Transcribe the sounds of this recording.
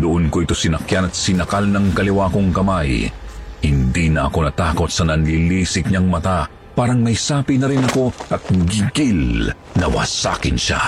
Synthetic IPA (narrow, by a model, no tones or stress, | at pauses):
d̪ʊʔonkoʔɪt̪o̞sɪnɐkjanɐt̪̚sɪnɐkalnɐŋkɐlɪwako̞ŋkɐmajhɪnd̪inɐʔɐko̞nɐt̪aːko̞t̪̚sɐnɐnliliːsɪk̚ɲɐŋmɐt̪a | paːɾɐŋmɐjsaːpinɐɾɪnɐko̞ʔɐt̪̚ɡiɡil | nɐwɐ̰sa̰ːkɪnʃa̰